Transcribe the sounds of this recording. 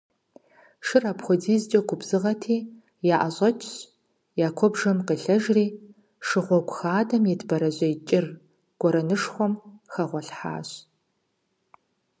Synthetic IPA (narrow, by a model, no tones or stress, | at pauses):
ʂɨrapχʷɔdiːzt͡ʃʼɐɡʷʊbz̥ɨʁɐtʰiː | jaːʔɐɕʼɐt͡ʃʰʼɕ | jaːkʷʰɔbʒɐmqəɬɐʒriː | ʂɨʁʷɔɡʷxaːdɐmjɛdʰbɐɾɐʑʷʼɐjt͡ʃʼɪr | ɡ̥ʷɔɾɐnɨʂχʷɔmxɐʁʷɔɬħa̰ːɕ